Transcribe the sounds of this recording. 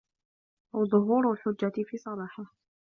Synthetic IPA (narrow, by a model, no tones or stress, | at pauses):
ʔawðˤʊɦuːɾalħʊd͡ʒːat̪fiːsˤɑɾˤɑːħa